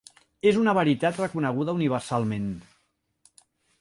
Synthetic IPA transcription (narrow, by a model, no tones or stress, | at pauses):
ezunəβəɾit̪at̪rəkunəɣ̞uðəuniβ̞əɾsalˠmẽn